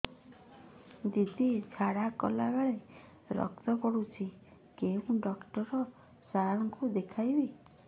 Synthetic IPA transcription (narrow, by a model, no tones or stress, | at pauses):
d̪id̪id͡ʒʰaɽakɔlaɡaɭe | ɾɔ̰kt̪ɔkɔɽut͡ʃʰikeũɖɔkʈɔɾɔ | saɾɾɔŋkud̪ekʰajbi